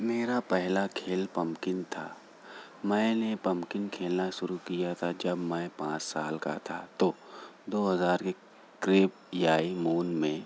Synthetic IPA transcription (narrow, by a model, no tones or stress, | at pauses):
meːɾapɛɦlakʰeːlpɐ̃mkɪnt̪ʰa̰ː | mɛ̃ːnepɐ̃mkɪnkʰeːlnaʃʊɾukijat̪ʰad͡ʒɐbmɛ̃ːpãːt͡ʃsaːlka̰t̪ʰa̰t̪od̪oːɦɐzaːɾke | kɾeːp̚ | jaːimuːnmẽː